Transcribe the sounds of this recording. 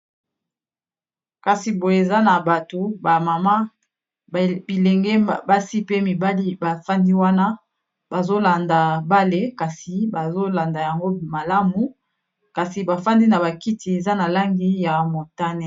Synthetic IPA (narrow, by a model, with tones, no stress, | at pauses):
ka˨si˨bo˨e˨za˦na˨ba˨to˨ba˨ma˨ma˦ | bi˨lɛ˨ŋɡɛ˦ba˦si˦pe˦mi˨ba˦li˦ba˨fa˦ndi˦wa˦na˦ | ba˨zo˦la˨nda˨ba˦le˦ka˨si˨ba˨zo˦la˨nda˨ja˨ŋɡo˦ma˨la˦mu˨ | ka˨si˨ba˨fa˦ndi˦na˨ba˨ki˦ti˨e˨za˦na˨la˦ŋɡi˦ja˨mo˨ta˦ne˦˨